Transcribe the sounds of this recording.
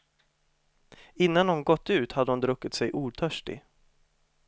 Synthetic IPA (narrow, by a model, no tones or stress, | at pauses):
ɪnːanhʊnɡɔt̪ːʉ̟ːt̪had̪əhʊnd̪ɾɵkːɪt̪sɛjʔuːʈ̪ʰœʂʈɪ̰